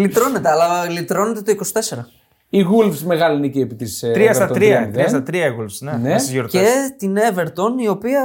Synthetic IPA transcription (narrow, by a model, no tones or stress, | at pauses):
lit̪ɾo̞ne̞t̪eɐlɐlit̪ɾo̞net̪et̪oikosi̥t̪e̞se̞ɾɐ | iɣulfsmeɣɐliineciepit̪ist̪ɾiɐst̪ɐtt̪ɾiɐt̪iɐst̪ɐt̪ɾiɐiɣulfsnenesizʝoɾt̪et̪ineve̞ɾt̪o̞nio̞piɐ